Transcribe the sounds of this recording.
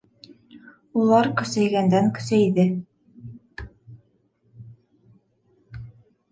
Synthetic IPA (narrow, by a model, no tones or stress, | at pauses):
ulˠɑɾkɵ̆sæjɡænd̪æŋkɵ̆sæjiðɘ